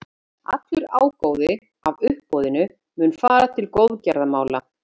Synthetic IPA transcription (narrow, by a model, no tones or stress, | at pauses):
a̰t̪lʏɾaːwkoːwðɪ | avʏhpːɔwðɪnʏ | mʏnfaːɾat̪ʰɪlkowðcaɾðamaːwla